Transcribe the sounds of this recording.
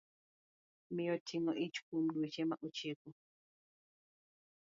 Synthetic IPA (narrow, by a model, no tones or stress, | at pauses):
mijɔtʰːiŋɔʔit͡ʃu̥kumdut͡ʃɛmaʔɔt͡ʃeku